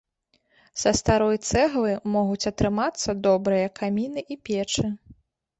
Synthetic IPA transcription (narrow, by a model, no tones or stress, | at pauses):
sɐst̪aɾɔjt̪sɛɣlˠɨmɔɣut͡sʲɐt̪ɾɨmat̪sːɐd̪ɔbɾɨjɐkamʲinɨʔipʲɛt͡ʂɨ